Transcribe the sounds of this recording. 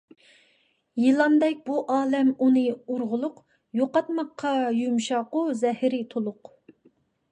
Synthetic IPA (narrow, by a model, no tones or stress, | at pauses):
jɨlˠɑmd̪ɛk̚ʲbuʔɑːlɛmunɨuɾʁʊlˠʊq | joqɑt̪mɑqʰːɑjumʃɑqʊzɛhɪɾɪt̪ʰolˠʊq